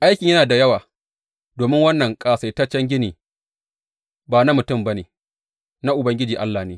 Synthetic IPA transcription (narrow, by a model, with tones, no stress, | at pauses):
ʔa˦jkʲɪ˨ɲjɐ˦naː˨da˨jɐ˦waː˨ | doː˨mɪ˦ŋwɐ˦nːɐ˨ŋkʼaː˨sa˨ta˦t͡ʃɐ˦ŋɡʲɪ˦niː˨ | baː˨na˦mʊ˨tʊ˦˨mba˦neː˨ | na˦ʔʊ˨bɐ˦ŋɡʲɪ˦d͡ʒiː˨ʔa˦lːaː˨neː˨˦